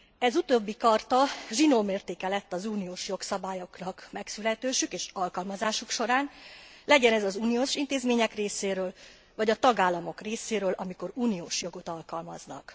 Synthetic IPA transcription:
ɛzut̪oːbːikɒrt̪ɒʒinoːmeːrt̪eːkɛlɛt̪ːɒzuːnioːʃjo̞ksɒbaːjo̞knɒkmɛksylɛt̪øːʃykeːʃɒlkɒlmɒzaːʃukʃo̞ɾaːnlɛɟɛnɛzɒzuːnijoːʃint̪eːzmeːɲɛkreːseːɾøːl | vɒɟɒt̪ɒɡaːlːɒmo̞kreːseːɾøːlʔɒmiko̞ɾuːnioːʃjo̞ɡo̞t̪ɒlkɒlmɒ̰znɒ̰k

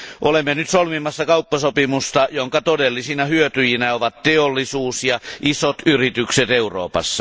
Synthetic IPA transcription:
ʔolemːenyt̪solmimːˑɑsːɑkɑupːɑsopimust̪ɑjoŋkɑt̪odelːisinɑhyøt̪yjinæoʋɑt̪t̪eolːisuːsjɑʔisot̪yrit̪ykset̪euro̰ːpɑ̰sːɑ

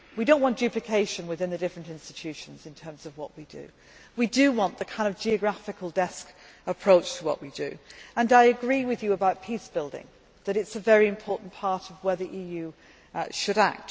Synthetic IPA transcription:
wiɾõʊ̃nʔwɒ̃nd̥ʉplɨkʰeɪʃɨ̃nwɨðɪ̃nðɨdɪfɹɨ̃ntɪ̃nstɨ̥tʰʉʃɨ̃n̩zɨ̃ntʰɜ̃˞mzʌvwʌʔwidɨ̰ | widɨwɑ̃nðɨkʰãɪ̃ndʌvd͡ʒiɨɡɹafɨkʰəl̩ˠdɛsk | əpʰɹ̥oʊt͡ʃtʰəwʌ̰ʔwidɨ̰ə̃naɪɨɡɹiwɨðjɨəbaʊt̚pʰisb̥ɪlˠdɪ̰̃ŋ | ðɨɾɨtsəvɛɹiɨ̃mpʰɔɹʔn̩pʰɑɹɾʌvwəðiʔijʉ | ʃɨɾa̰k̚t

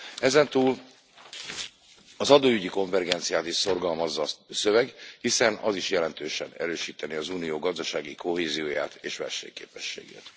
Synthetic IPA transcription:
ɛzɛnt̪uːl | ɒzɒd̪oːyɟiko̞ɱvɛrɡɛnt̪sijaːt̪iʃso̞rɡɒlmɒzːɒsø̞vɛɡhisɛnɒ̰ziʃjɛlɛnt̪øːʃɛ̰nɛ̰ɾøːʃiːt̪ɛniɒzuːnijoːɡɒzd̪ɒʃaːɡiko̞ɦeːzijoːja̰ːt̪eːʃʋɛ̰lʃɛ̰ːɲkḛːpɛʃːḛːɡḛːt̪

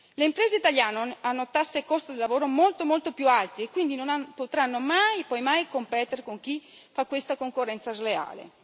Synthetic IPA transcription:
leimpɾeːzeit̪aljaːnonanːot̪asːekost̪od̪elːavoːɾomolt̪omolt̪opjualt̪iekːwind̪inonanpot̪ɾanːomajpɔjmajkompɛːt̪eɾkoŋk̟i | fakːwest̪akoŋkorːɛnt̪sazlea̰ːlḛ

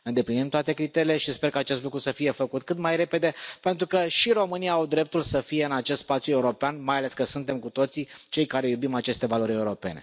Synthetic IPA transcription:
ɨnd̪e̞plinimt̪oat̪e̞kɾit̪eɾile̞ʃispe̞rkəat͡ʃe̞st̪lukɾusəfije̞fəkut̪̚kɨt̪majɾe̞pe̞d̪e̞pe̞nt̪ɾukəʃiɾo̞mɨnijaawd̪ɾe̞p̚t̪ulsəfije̞ɨnat͡ʃest̪spat̪sjue̞uɾo̞peanmajale̞skəsunt̪e̞mkut̪o̞t̪sit͡ʃe̞jkaɾe̞jubimat͡ʃe̞st̪e̞valo̞ɾʲe̞uɾo̞pe̞̰ne̞̰

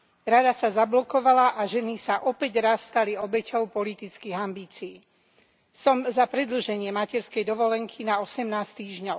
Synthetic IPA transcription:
ɾad̪asazablɔkɔʋalaʔaʒɛnisaʔɔpɛɟɾasːt̪aliɔbɛcɔʊpɔlit̪it͡skiːɣambiːt͡siː | sɔmzapɾɛd̪l̩ʒɛɲɪɛmacɛɾskɛjd̪ɔʋɔlɛŋkʰinaɔsɛmnaːst̪iːʒɲɔ

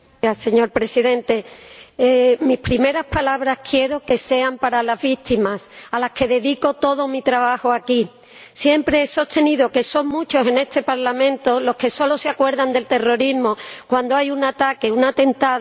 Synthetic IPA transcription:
ase̞ɲo̞ɾpɾe̞siðẽ̞nt̪e̞emispɾime̞ɾaspalaβɾaskʰje̞ɾo̞ke̞se̞ampaɾalazβit̪imasalaske̞ðe̞ðiko̞t̪o̞ðo̞mit̪ɾaβahoaki | sje̞mpɾe̞eso̞st̪e̞niðo̞ke̞so̞ŋmũt͡ʃo̞se̞ne̞st̪e̞paɾlamẽ̞nt̪o̞lo̞ske̞so̞lo̞seakwe̞ɾðand̪e̞lt̪e̞ro̞ɾizmo̞kwand̪oajunat̪ake̞unat̪e̞nt̪að

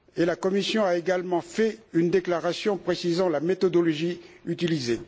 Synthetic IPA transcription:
elakɔmisjɔ̃aeɡalmɑ̃fɛynd̪eklaʁasjɔ̃pχesizɑ̃lamet̪ɔd̪ɔlɔʒiyt̪ilize

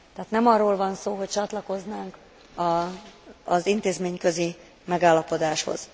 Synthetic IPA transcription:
t̪ɛːt̪nɛmɒrːoːlvɒnsoːɦoc̚t͡ʃɒt̪lɒko̞znaːŋk | ɒː | zint̪eːzmeːɲkøzi | mɛɡaːlːɒpo̞d̪aːʃho̞̰z̥

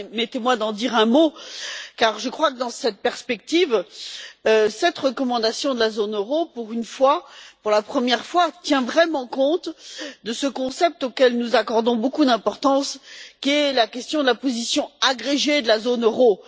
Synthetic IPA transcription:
mɛt̪emwad̪ɑ̃d̪iʁɛ̃mokaʁʒəkχwakəd̪ɑ̃sɛt̪̚pɛʁspɛk̚t̪iv | øsɛt̪ʁəkɔmɑ̃d̪asjɔ̃d̪əlazonøʁopuʁynfwapuʁlapχəmjɛʁfwat̪jɛ̃vʁɛmɑ̃kɔ̃t̪d̪əsəkɔ̃sɛp̚t̪okɛlnuzakɔʁd̪ɔ̃bokud̪ɛ̃pɔʁt̪ɑ̃skʲiɛlakʲɛst̪jɔ̃d̪əlapozisjɔ̃aɡʁeʒed̪əlazonøʁo

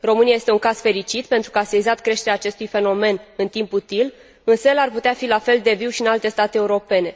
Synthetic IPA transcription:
ro̞mɨnijaje̞st̪euŋkaz̥fe̞ɾit͡ʃit̪pe̞nt̪ɾukəasezat̪kɾe̞ʃt̪eɾeaːt͡ʃe̞st̪ujfe̞no̞me̞nɨnt̪imput̪il | ɨnsəelarput̪eafilafe̞ld̪e̞viwʃiɨnalt̪e̞st̪at̪eːuɾo̞pe̞ne̞

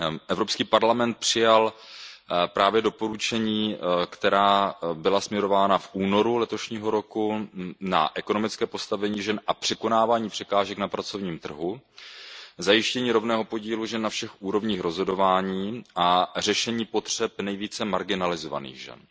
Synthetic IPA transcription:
ʔɛvɾo̞pskiːpaɾlamɛnt̪̚pr̝̥ɪjal | pɾʔaːvjɛdo̞po̞ɾut͡ʃɛɲiːkt̪ɛɾaːbɪlasmɲɛɾo̞vaːnafʔuːno̞ɾulɛt̪o̞ʃɲiːɦo̞ɾo̞kuna̰ʔɛko̞no̞mɪt͡skɛːpo̞st̪avɛɲiːʒɛnʔapr̥ɛko̞naːvaːɲiːpr̥ɛkaːʒɛknapɾat͡so̞vɲiːmt̪r̩ɦu | zajɪʃcɛɲiːɾo̞vnɛːɦo̞po̞ɟiːluʒɛnːafʃɛxʔuːɾo̞vɲiːxɾo̞zɦo̞do̞vaːɲiːʔar̝ɛʃɛɲiːpo̞t̪r̝̥ɛpnɛjviːt͡sɛmaɾɡɪnalɪzova̰nḭːɣʒɛ̰n

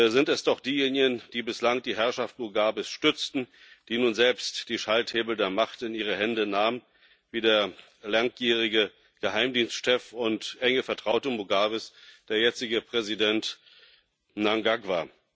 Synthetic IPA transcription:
zɪntɛsd̥ɔχd̥iːjeːnɪɡənd̥iːbɪslaŋd̥iːɦɛɐʃaft̚muɡaːbɪsʃtʏt͡stn̩ | d̥iːnuːnzɛlpstd̥iːʃaltheːbl̩deːɐmaχtɪniːʁ̞əhɛndənaːmən | viːdeːɐ | laŋjiːʁ̞ɪɡə | ɡ̥əhaɪmdiːnstʃɛfʊntʔɛŋəfɛɐtʁ̥aʊtəmuɡaːvɪsd̥eːɐjɛt͡sɪɡəpʁ̥ɛzidɛnt | naŋɡaɡva

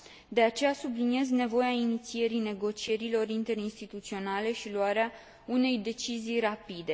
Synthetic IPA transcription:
d̪e̞at͡ʃe̞jasublinije̞zne̞vo̞jainit̪sie̞ɾine̞ɡo̞t͡ʃie̞ɾilo̞ɾint̪e̞ɾinst̪it̪ut̪sio̞nale̞ʃiluaɾea | une̞jd̪e̞t͡ʃizijrapid̪e̞

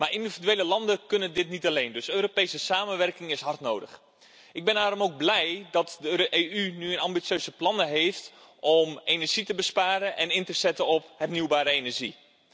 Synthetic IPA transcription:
maːrindividyʋeːləlɑndəkɵnəndɪtnitalejndøsøːɾopejsəsaːmənʋɛrkɪŋɪsɦɑrtnoːwdə̰x | ɪɡ̚bɛnaːɾɔmoːɡ̚blɛjdɑtdəeːynyənɑmbit͡ssjøːzəplɑnəɦeːftʔɔmenɛrʒ̥itəbəspaːɾəʔɛnɪntəzɛtəɔphɛrnywbaːɾəenɛrʒi

